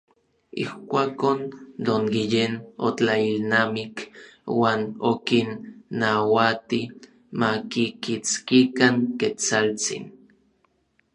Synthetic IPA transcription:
ḭhkʷakond̪oŋɡijenot͡ɬailnamikwaːnokinːawat̪i | makikit͡skikaŋket͡salt͡sḭn

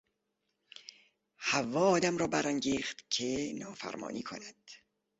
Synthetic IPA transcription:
hævːɒːɒːd̪æmɾɒːbæɾæŋɟiːχt̪kʰenɒːfæ̰ɾmɒ̰ːnʔiːkʰo̰næd̪̥

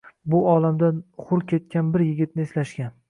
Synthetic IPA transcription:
bʊɒlamd̪anχʊɾkʲʰe̞t̪̚kʲʰanbɪɾjɪɡʲɪt̪̚nɪːslaʃkʲan

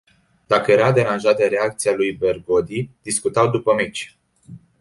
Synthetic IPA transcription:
d̪̥akəje̞ɾad̪e̞ɾanʒat̪̚d̪əɾe̞ak̚t̪sialujbe̞rɡo̞d̪id̪̥iskut̪awd̪upəmet͡ʃʲ

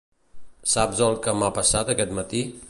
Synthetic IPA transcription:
sabzəlˠkəmapəsat̪əkɛt̪mət̪i

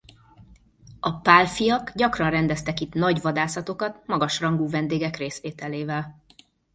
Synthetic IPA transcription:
ʔɒpaːlfijɒkɟɒkrɒnrɛnd̪ɛst̪ɛkit̪nɒɟʋɒd̪aːsɒt̪o̞kɒt̪mɒɡɒʃrɒŋɡuːvɛnd̪eːɡɛkreːsʋeːt̪ɛleːvɛl

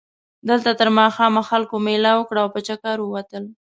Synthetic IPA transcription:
d̪əlt̪at̪əɾmɑxɑmaxalkomelawəkɽaːwpət͡ʃakaɾwəwat̪əl

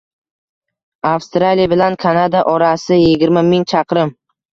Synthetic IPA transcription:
afst̪ɾalijabɪlankʰanad̪aʔɒɾasɪjɪɡʲɪɾmamɪŋt͡ʃʰɑqɾɪm

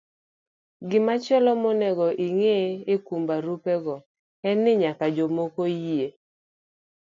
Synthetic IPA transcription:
ɡɪmat͡ʃɛlɔmɔnɛɡɔʔiŋeekumbaɾupɛɡɔ | ɛnːɪɲakad͡ʒomokojie

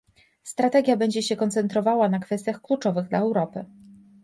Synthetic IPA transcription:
st̪ɾat̪ɛɡʲjabɛɲd͡ʑɛɕɛkɔnt̪sɛnt̪ɾɔvawanakfɛst̪ʲjaxklut͡ʂɔvɘɣd̪laɛwɾɔpɘ

